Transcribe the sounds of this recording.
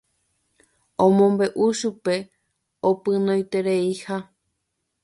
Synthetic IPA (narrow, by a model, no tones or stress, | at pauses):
õmõmbe̞ʔuʃupe̞ | opɨnõjt̪e̞ɾeiha